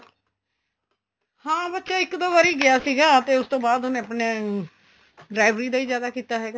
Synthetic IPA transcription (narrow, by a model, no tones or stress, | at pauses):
hãːbətːʃaːɪkːd̪oʋaːɾiːɡɪjaːsiːɡaːt̪eːʊst̪õːbaːd̪ʊnẽːəpnẽː | ɖɾaːɪʋɾiːd̪aːiːzjaːd̪aːkiːt̪aːɦɛːɡa